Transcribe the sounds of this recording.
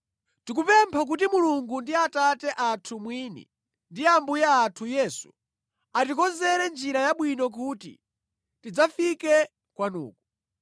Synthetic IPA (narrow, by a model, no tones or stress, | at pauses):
tik̬upɛmpʰak̬utimuluŋɡundiatatɛʔatʰumwinḭ | ndiambujaːtʰujɛːsu̥ | atikɔzɛɾɛnd͡ʒiɾajaɓwinɔk̬uːtḭ | tid͡zafikɛ | kwanṵːku